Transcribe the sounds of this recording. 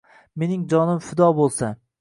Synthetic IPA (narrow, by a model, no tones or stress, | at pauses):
me̞nɪŋd͡ʒɒnɪmfɪd̪ɒbolˠsa